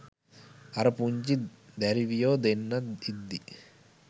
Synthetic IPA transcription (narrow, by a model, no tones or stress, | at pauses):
ɐɾɐpuɲt͡ʃid̪ɐɾiʋijoːd̪enːɐid̪ːi